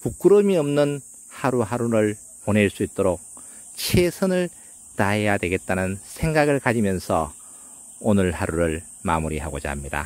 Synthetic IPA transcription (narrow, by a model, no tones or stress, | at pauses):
puk̚k͈ɯɾʌmiʌmnɯn | haɾuɦaɾuɾɯɭ | pone̞ɭs͈uit̚t͈oɾok̚ | t͡ɕʰesʰɯnɯɭ | taɦejadwe̞ɡe̞t̚t͈anɯnsʰe̞ŋɡaɡɯɭkad͡ʑimjʌnsʰʌ̰ | onɯɭhaɾuɾɯɭ | ma̰muɾiɦaɡod͡ʑa̰mɲida̰